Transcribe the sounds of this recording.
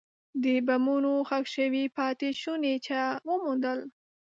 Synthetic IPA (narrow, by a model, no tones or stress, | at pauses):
d̪əbamunoxakʃəwipɑt̪eʃunet͡ʃawəmund̪əl